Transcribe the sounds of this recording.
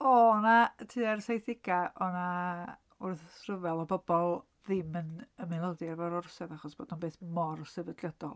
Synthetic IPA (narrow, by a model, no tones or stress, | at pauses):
ɔnaətʰɨːarsajθɪɡaʔɔna | ʊrθsrəvɛlˠɔbɔbɔlˠ | ðɪmənəmɪlˠɔðiarvɔɾɔrsɛðaχɔsb̥oːdnunbeːθmɔrsɛvədlˠjəd̥ɔ̰lˠ